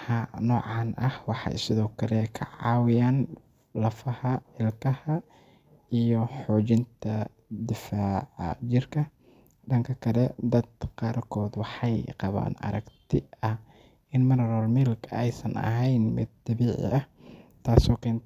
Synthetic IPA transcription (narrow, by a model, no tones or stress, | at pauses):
ɐnɔːʕɑːnʔɐhwɑħɑ̰jsɪðɔːkʰɐlɛkʰɐ̰ʕɑːwɪjaːn | lɐfɐhɐɪlkʰɐhɐ | ijɔħɔːt͡ʃɪnt̪ʰɐ | d̪ɪfaːʕɐ̰t͡ʃɪrkʰɐ | ɖɐŋkʰɐkʰɐlɛd̪ɐd̪qaːrkʰɔːd̪wɑħɑjqɑβa̰ːnɐ̰ɾɐɡt̪ʰɪɐh | ʔɪnmɐnɐɾɔːlmɪlkʰɛjsɐnɐ̰ɦɛjnmɪ̰d̪̚ːɐβiːʕɪ̰ʔɐht̪ʰaːsɔːkʰɛːn